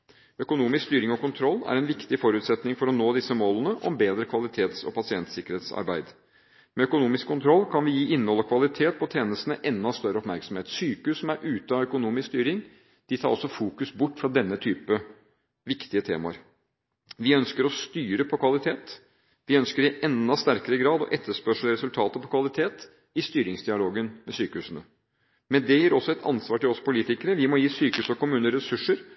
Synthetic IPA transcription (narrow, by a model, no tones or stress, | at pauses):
œkʊnuːmɪskst̪yːɾɪŋɔkʊnt̪ʰɾɔlːæ̰ɾɛnʋɪkt̪ɪfɔɾʉːt̪sɛt̪nɪŋfɔɾɔnoːd̪ɪsːəmoːlənəʔɔmbeːd̪ɾəkʰʋɑlɪt̪ʰeːt̪sɔ̰pʰɑsɪɛnt̪sɪkəɾheːt̪sɑ̰ɾbæɪd̪ | mɛœkʊnuːmɪskʰːʊnt̪ʰɾɔlːkʰɑnʋɪjiːʔɪnːəɔlːəkʰʋɑlɪt̪ʰeːt̪̚pʰɔt̪ʰeːnəst̪ənəʔɛnːɑst̪œɾːəɔpmæɾksɔmheːt̪syːkʉsɔmæɾʔʉːt̪əɑœkʊnuːmɪsst̪yːɾɪŋ | d̪̥ɪt̪ʰɑːɾɔ̰sɔfuːkʉsbʊʈːfɾɑd̪ɛnːət̪ʰyːpə | ʋɪkt̪ɪət̪ʰḛːmɑ̰ɾ | ʋɪœnskəɾɔst̪yːɾəpʰɔkʰʋɑlɪt̪ʰeːt̪ | ʋɪœnskəɾɪʔɛnd̪ɑst̪æɾkəɾəɡɾɑːd̪ɔ̰ʔɛt̪ʰːəʂpœʂləɾɛsʉlt̪ʰɑːt̪əpɔkʰʋɑlɪt̪ʰeːt̪ | ɪst̪yːɾɪŋsd̪ɪɑloːɡənmɛsyːkəhʉːsən̩ə | mɛnd̪ɛjiːɾɔsːɔɛt̪ʰɑ̰nsʋɑːʈɪlɔspʰʊliːt̪ɪkəɾəʋɪmɔjiːsyːkəʉːsɔkʊmʉːnəɾɛsʉʂəɾ